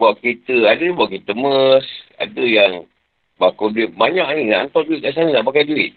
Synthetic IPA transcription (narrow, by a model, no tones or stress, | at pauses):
buaʔkit̪əadəbuaʔkit̪əməsa̰dəjaŋ | bakoduɪt̪̚baɲaʔninaʔant̪ɔduit̪̚kas̬anənaʔpakajduɪt̪̚